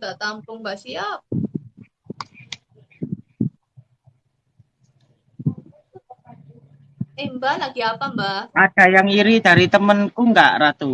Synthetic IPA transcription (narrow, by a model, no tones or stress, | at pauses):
ndaʔt̪ampʊŋmbasiap̚ | embalaɡ̥iapambaʔad̥a̤jaŋiɾid̪̥a̤ɾit̪əmənkuŋɡaʔrat̪u